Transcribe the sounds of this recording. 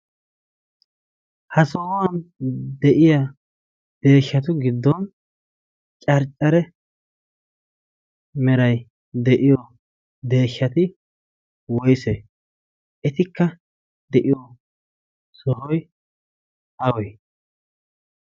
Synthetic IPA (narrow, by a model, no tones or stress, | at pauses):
hɐsɔhɔwɐnd̪ɛʔɪja | d̪̥e̞ːʃːɐt̪̬ʊɡɪd̪ːɔn | t͡ʃʼɐɾt͡ʃʼːɐɾɛ | mɛɾɐj | d̪ɛʔɪjɔ | d̪e̞ːʃːɐt̪ɪ | wɔjse | ɛt̪ɪkːɐ | d̪̥ɛʔɪjɔ | sɔhɔj | ɐwɔj